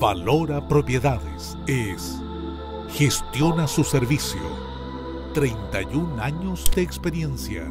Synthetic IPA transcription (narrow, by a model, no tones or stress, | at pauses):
balo̞ɾapɾo̞pje̞ðaðḛs | es | xe̞st̪jo̞nasuseɾβisjo̰ | t̪ɾejnt̪ajunaɲozd̪eːkspe̞ɾje̞nsja̰